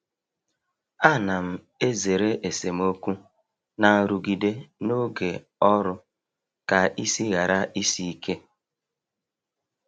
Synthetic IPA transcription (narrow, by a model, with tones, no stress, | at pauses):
a˦na˨m̩˨ | e˦ze˨ɾe˦ʔe˨se˨m̩˦o˦kʷu˦ | na˨ɾu˨ɡi˨de˦no˦ɡe˨ | ɔ˦ɾʊ˦ | ka˨i˦si˦ɣa˨ɾa˦i˦si˦i˦kʰe˦